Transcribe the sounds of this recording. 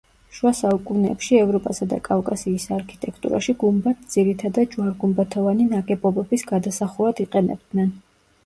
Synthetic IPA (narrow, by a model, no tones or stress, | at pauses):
ʃwasaukʼunɛ̰ːpʃiɛvɾɔpʼasad̪a̰kʼafkʼasiːsaɾkʰi̥t̪ʼɛkʰt̪ʼṵɾa̰ʃiɡumbat̪̚ʰd̪z̥iɾit̪ʰad̪ad̪̚d͡ʒwaɾɡumbat̪ʰɔvaninakʼɛbɔbɛbisɡad̪asaχuad̪iqʼɛnɛ̰b̚d̪nɛn